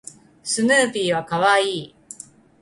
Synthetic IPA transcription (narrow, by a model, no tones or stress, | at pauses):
sɨnɯːpʲiːβakaβaiː